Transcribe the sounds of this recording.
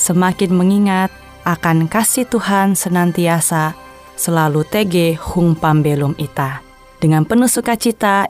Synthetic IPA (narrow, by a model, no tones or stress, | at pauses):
səmakɪnməŋiŋat̪̚ | ʔakankasiht̪uhansənant̪iasa | səlalut̪eɡɛhuŋpambelumit̪a | dəŋanpənusukat͡ʃit̪a